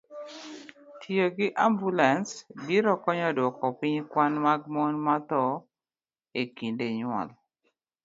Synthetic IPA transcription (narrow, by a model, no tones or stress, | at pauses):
tʰioɡɪʔambulansbiɾɔkɔɲɔdwɔkɔpɪɲkwanmaɡ̚mɔnmat̪ɔ | ekindeɲwɔ̰l